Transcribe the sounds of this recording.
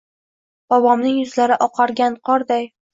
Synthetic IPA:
b̥ɒbɒmnɪŋjʊzlaɾɪʔɒqʰɑɾɡʲanqʰɒɾd̪aj

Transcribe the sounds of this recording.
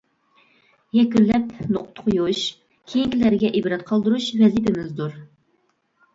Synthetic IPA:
jɛkʲynlːɛpnoqt̪ʰʊ̥qʰʊjuʃ | kʲʰejiŋʲlæɾɡʲɛʔibɾɑt̪̚qʰɑlˠd̪uɾuʃvɛzipɪmɪzd̪uɾ

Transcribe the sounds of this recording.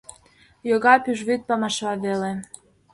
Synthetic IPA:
joɣɑpyʒβyt̪̚pɑmɑʃβɑβele

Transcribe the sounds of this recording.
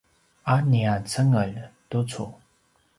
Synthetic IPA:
aniat͡sʰəŋəlt̪ot͡sʰo

